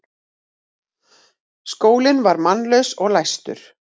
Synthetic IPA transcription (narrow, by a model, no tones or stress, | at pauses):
skoːwlɪnvaɾmanlœɥsɔɣlajst̪ʏ̰ɾ̥